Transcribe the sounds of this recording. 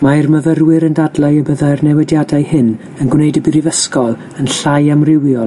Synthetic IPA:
mairməvərwɪɾəndadlˠaɨəbəðarnɛwɛdjadaɨhɨn | ənɡwnejdəbiɾivəskɔlˠ | ənɬajamrɪwjɔ

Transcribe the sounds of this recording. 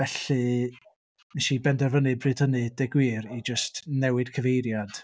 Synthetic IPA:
vɛɬɨ | mɛʃibɛndɛrvənɨbrɨːdʰənɨdɛɡwiːɾid͡ʒəstnɛwɨd̥kʰəvejɾjad̥

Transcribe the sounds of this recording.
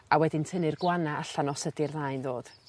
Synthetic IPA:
awɛdɪntʰənɨrɡwanaaɬanɔsədirðaːjnðoːd̥

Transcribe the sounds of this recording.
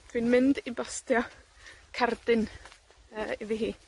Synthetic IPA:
tʰwinmɪndibastjɔ | kʰard̥ɪn | əːiviɦiː

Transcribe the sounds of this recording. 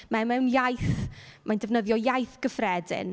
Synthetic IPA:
mɛmɛnjajθmandɛvnəðjɔjajθɡ̥əfrɛdɪ̰n

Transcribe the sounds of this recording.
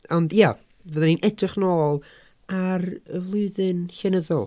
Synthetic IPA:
ɔndja | vəðɛninʔɛdrɨχnoːlˠ | arəvlˠʊɨðɨnɬɛnəðɔlˠ

